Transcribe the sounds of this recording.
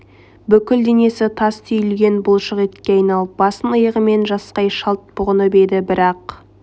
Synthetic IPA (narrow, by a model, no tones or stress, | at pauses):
bʏkʲɪld̪e̞ne̞sɪt̪ʰɑst̪ʰʏjɪlɡʲe̞nbʊlˠʃəʁet̪kʲe̞ɑjnɑlˠəp̚bɑsənəjəʁəme̞nʒɑsqɑjʃɑlˠt̪̚bʊʁənəbe̞d̪ɪbɪɾɑq